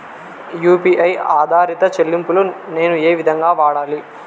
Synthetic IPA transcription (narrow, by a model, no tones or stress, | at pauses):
juːpiʔɐjaːd̪ʱaːɾit̪ɐt͡ʃelːimpulune̞ːnueːʋid̪ʱɐŋɡaːʋaːɽaːli